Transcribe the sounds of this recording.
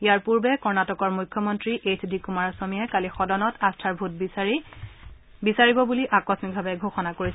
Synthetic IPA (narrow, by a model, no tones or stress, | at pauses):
ijaɹpuɹbɛkɔɹnatɔkɔɹmujkʰːjɔmɔntɹiʔetʰdikumaɹasomijɛkalixɔdɔnɔtʰastʰaɹbʱut̚b | bisaɹibɔbuliʔakɹɔsmik̚bʱabɛɡʱoxɔnakoɹis